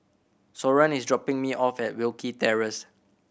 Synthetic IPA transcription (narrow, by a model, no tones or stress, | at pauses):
sɔɹə̃nisdɹɔpɪ̃ŋmiʔɔfɛt̚wilkitɛɹəs